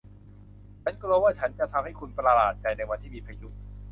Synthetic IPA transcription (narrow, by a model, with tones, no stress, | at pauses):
t͡ɕʰa˦˥nkɾu˧əwaː˥˩t͡ɕʰa˦˥nt͡ɕa˨˩t̪ʰa˧mha˥˩jkʰu˧npɾa˧laː˨˩t̪̚t͡ɕa˧jna˧jwa˧nt̪ʰiː˥˩miː˧pʰɾa˧ju˨˦˩t̪̚